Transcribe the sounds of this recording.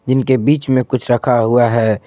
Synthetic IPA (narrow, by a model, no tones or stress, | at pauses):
d͡ʒɪnkebiːt͡ʃmẽkʊt͡ʃʰɾəkʰaɦuaɦɛː